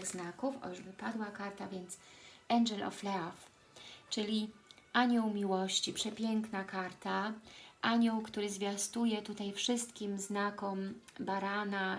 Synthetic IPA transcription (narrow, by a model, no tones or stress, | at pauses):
ɣznakufʔɔ̰juʐbɘpad̪wakaɾt̪avʲjɛnt̪sɛŋɡɛlɔ̰flɛɔf | t͡ʂɘlʲiʔaɲɔwmʲiwɔɕt͡ɕipʂɛpʲjɛŋknakaɾt̪aʔaɲɔwkt̪uɾɘzvʲjast̪ujɛt̪ut̪ajfʂɘst̪kʲimznakɔmbaɾana